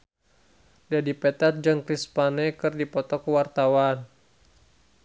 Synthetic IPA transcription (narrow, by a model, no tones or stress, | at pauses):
dadipɛt̪at̪̚d͡ʒaŋkɾispanɛkɨrdipɔt̪ɔkəwart̪awan